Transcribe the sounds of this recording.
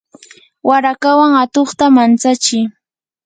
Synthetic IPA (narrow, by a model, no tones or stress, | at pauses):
waɾakawaŋat̪oχt̪amant͡sat͡ʃɪj